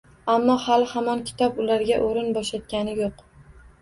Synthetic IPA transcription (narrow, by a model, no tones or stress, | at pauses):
amːɒhalɪhamɒnkʲʰɪ̥t̪ʰɒpʊlaɾɡʲaʔoɾɪnbɒʃat̪̚kʲanɪjoq